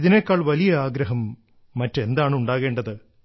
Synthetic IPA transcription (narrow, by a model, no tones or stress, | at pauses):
iðine̞ːkːaːɭʋɐlijɐaːɡɾɐɦɐmː | ɐtːe̞nd̪aːɳɨuɳɖaːɣe̞ːɳɖɐðɨ